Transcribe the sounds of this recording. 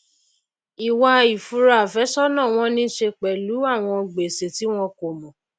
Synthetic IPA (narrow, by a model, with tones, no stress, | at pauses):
i˨wa˧i˨fu˧˦ɾa˨fɛ˨˦sɔ˦nã˦˨w̃ɔ̃˧nĩ˦ʃe˧k͡pɛ˨lu˨˦a˦˨w̃ɔ̃˧ɡ͡be˨se˨ti˨˦w̃ɔ̃˧ko˨mɔ̃˨